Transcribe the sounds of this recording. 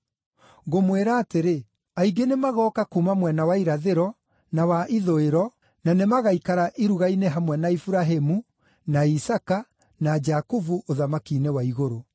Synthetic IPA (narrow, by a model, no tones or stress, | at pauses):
ɣomweɾaːteɾe | aiɡenemaɣɔːkakumamwɛnawaiɾaðeɾɔ | nawaʔiðoeɾɔ | nanemaɣaikaɾaʔiɾuɣaineɦamwɛnaifuɾaɦemu | naisaka | nad͡ʒakuvuʔoðamakinewaiɣoɾo